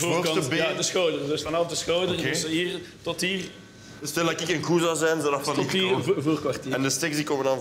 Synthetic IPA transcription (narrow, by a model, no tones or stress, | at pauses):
oːoɑəbjadəsxowdərdəsfɑnɑfdəsxoːwdəesiːrtɔtiːr | stɛlˠdakɪkənkuzawzɛjnzɔdafɑɪəvoːrkʋartiːɛndəsteksdikoːməndɑn